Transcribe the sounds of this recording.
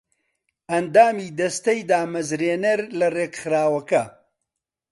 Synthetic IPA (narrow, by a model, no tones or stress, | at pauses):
ɐnd̪aːmiːd̪ɐst̪ɐjd̪aːmɐzɾeːnɐɾlɐreːkxɨɾaːwɐkɐ